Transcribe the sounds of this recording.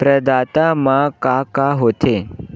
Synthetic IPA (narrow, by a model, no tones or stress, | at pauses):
pɾəd̪aːt̪amãkakaɦot̪ʰe